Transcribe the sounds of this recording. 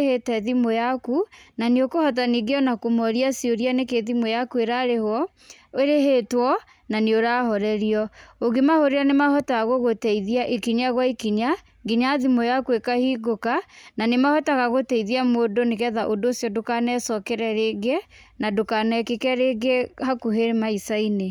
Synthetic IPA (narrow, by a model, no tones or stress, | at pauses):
hetɛðimojakunaneokohɔt̬aniɡeɔnakomɔɾiasioɾianekeðimojakueɾaɾehwɔ | eɾeɦetwɔ | naneoɾahɔɾɛɾiɔoɣemahoɾeanemahɔtaɣoɣotɛiðiaʔekiɲaɣwaikiɲa | ɡiɲaðimɔjakwekahiɡokananemahɔtaɣaɣotɛiðiamoːdoneɣɛðaʔodoːsjɔdokanɛsɔkɛɾɛɾeɡenadokanɛkekɛɾeɡehakuɦeɾemaisaine